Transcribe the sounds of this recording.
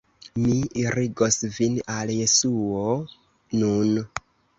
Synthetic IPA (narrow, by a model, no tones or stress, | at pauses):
miiɾiɡosvinalje̞suo | nun